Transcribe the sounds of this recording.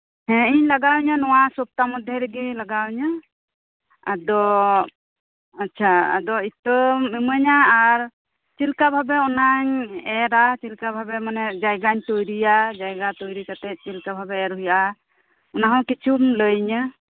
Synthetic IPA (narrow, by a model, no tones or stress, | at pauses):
ɦɛ̃iɲlaɡawɲanɔwasɔp̚t̪amɔd̪ʱjɛɾəɡilaɡawɲa | a̰d̪ɔ | atːt͡ʃʰʃʰaa̰d̪ɔit̪ɔɛməɲaːɾ | t͡ʃilkabʱabɛɔnaɲɛɾat͡ʃilkabʱabɛmanɛd͡ʒajɡaɲt̪ɔjɾijad͡ʒajɡat̪ɔjɾikat̪ɛt̪̚t͡ʃilkabʱabɛɛɾɦujaʔa | ɔnaɦãwkit͡ʃʰumləjɲa